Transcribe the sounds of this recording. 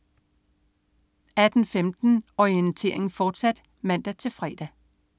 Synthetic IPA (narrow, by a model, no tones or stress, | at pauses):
æd̥n̩femd̥n̩ɒiənt͡sʰe̝̰ɐ̰e̝ŋn̩fɒːd̥sæd̥ | mæn̰d̥æt͡sʰe̝lfʁɛ̰ːd̥æ